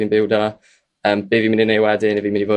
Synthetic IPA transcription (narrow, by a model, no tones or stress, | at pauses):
inbɪwdɔ | əːmb̥ɪːvimɪninejwɛdɪnɪvimɪnivoː